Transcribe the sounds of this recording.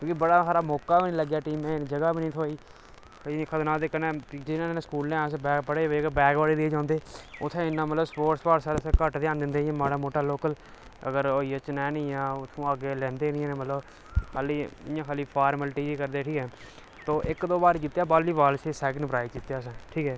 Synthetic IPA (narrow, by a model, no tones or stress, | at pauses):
kjõːkibəɽaːsaːɾaːmɔːkːaːbiːnĩːləɡjaːʈiːmẽːd͡ʒəɡaːbiːnĩːt̪ʰoːiː | inɪkʰːaːd̪nãːd̪eːkənẽːd͡ʒenãːnẽːskuːlnẽːsbɛːbəɽeːkbɛːɡʋaːɽeːd̪iːd͡ʒãːnd̪eːʊt̪ʰːẽːɪnːãːmət̪ləbspoːʈspaːɾsaːɾsẽːkəʈd̪ejaːnd̪ɪ̃nd̪ẽːãːmaːɽaːmoːʈaːloːkəl | ə̰ɡəɾoːiːət͡ʃnɛ̃ːnĩːãːʊt̪ʰːõːaːɡeːlɛ̃ːnd̪eːnɪ̃ːnẽːmət̪ləb | kʰaːliːɪjãːkʰaːliːpʰaːɾməlʈiːd͡ʒiːkəɾd̪eːʈʰiːkɦɛː | t̪oːʔɪkd̪oːbaːɾkit̪ːjaːbaːliːbaːlsesɛːɡənpɾaːɪkit̪ːjaːs̬ɛ̃ːʈʰiːkɦɛː